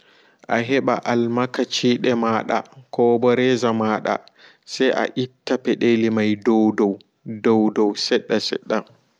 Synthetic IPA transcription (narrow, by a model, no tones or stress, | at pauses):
ʔaɦɛɓa̰ʔalmakat͡ʃiːɗɛmaːɗa̰kʰɔːbɔɾɛzamaːɗa̰ | sajʔa̰ʔitːapɛɗeːlimajdɔwdɔw | dɔwdɔwsɛɗːasɛ̰ɗːa